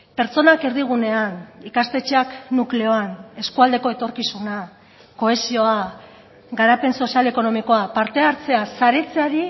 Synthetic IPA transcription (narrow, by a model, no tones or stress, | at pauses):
pe̞ɾt͡so̞nakeɾðiɣ̞une̞anikast̪e̞t͡ʃe̞aknukle̞o̞ane̞skuald̪e̞ko̞e̞t̪o̞ɾkisuna | ko̞esio̞a | ɡaɾape̞nso̞siale̞ko̞no̞miko̞apaɾt̪e̞aɾt͡se̞asaɾet͡seaɾi